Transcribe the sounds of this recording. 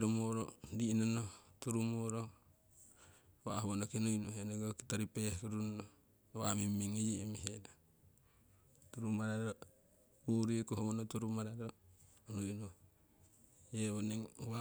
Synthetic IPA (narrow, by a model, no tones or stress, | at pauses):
ɾumoɾo̰dinonotuɾumoɾo | βahuonokinujnuheneɡokitaɾipekuɾuno | wamimiŋejimiɦeno | tuɾumaɾaɾo | uɾiekuɦomonotuɾumaɾaɾo | nunu | jeβoneŋwa